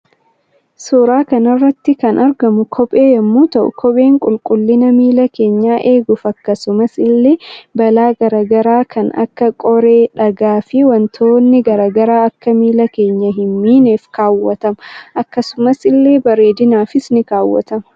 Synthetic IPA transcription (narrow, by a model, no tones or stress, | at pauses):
soːɾaːkɐnɐrːɐt̪ːɪkɐnʔɐɾɡɐmʊkʰɔpʼe̞ːjɐmːuːt̪ɐʔʊ̰kʰɔpʼe̞ːŋkʼʊlkʼʊlːɪnɐmiːlɐke̞ːɲːaːʔe̞ːɡʊfɐkːɐsʊmɐsɪlːe̞ːbɐlaːɡɐɾaːɡɐɾaːkʰɐnɐ̰kːɐkʼɔɾe̞ːᶑɐɡaːfɪwɐnt̪ʰoːnːɪɡɐɾaːɡɐɾaːɐkːɐmiːlɐke̞ːɲːɐɦɪmːiːneːfkaːwːɐt̪ɐmɐʔɐkːɐsʊmɐsɪlːe̞ːbɐɾe̞ːd̪ɪnaːfɪsnɪkaːwːɐ̰t̪ɐmɐ̥